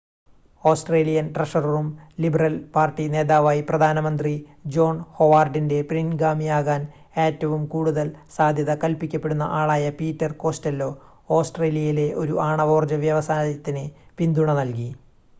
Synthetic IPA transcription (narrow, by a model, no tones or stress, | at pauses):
o̞ːsʈre̞ːlijɐnʈrɐʂɐrɐrumlibɐrɐlpaːrʈːine̞ːðaːʋaːjiprɐd̪ʱaːnɐmɐnd̪rid͡ʑo̞ːɳho̞ʋaːrɖinde̞prinɡaːmijaːɣaːn | e̞ːtːɐʋumkuːɽuðɐlsaːd̪ʱjɐðɐkɐlpikʲːɐpːeɽunːɐ̰ʔaːɭaːjɐpiːtːɐrko̞ːstelːo̞ː | oːsʈre̞ːlijɐjile̞ʔo̞ɾuʔaːɳɐʋo̞ːrd͡ʑɐʋjɐʋɐsaːɾɐt̪ːinepind̪uɳɐnɐlk̬i